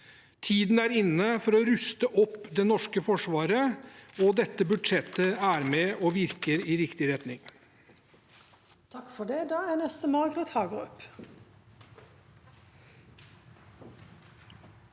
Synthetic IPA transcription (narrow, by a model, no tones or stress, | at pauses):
t̪ʰiːd̪n̩æɾɪnːəfɔɾɔɾʉst̪əʔɔpːd̪ɛnɔʂkəfɔʂʋɑːɾəɔd̪ɛt̪ːəbʉd̪ʂɛt̪ːəæɾmɛʔɔʋɪɾkəɾiɾɪkt̪ɪɾɛt̪nɪŋ | t̪ʰɑkfɔɖeːd̪ɑːænɛst̪əmɑːɡɾət̪hɑːɡəɔp